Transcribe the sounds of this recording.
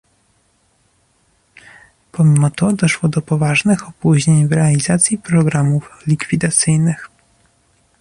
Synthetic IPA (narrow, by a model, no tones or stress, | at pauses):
pɔmʲimɔt̪ɔd̪ɔʂwɔd̪ɔpɔvaʐnɘxɔpuʑɲeɲvɾɛalʲizat̪sʲjipɾɔɡɾamuflʲikfʲid̪at̪sɘjnɘx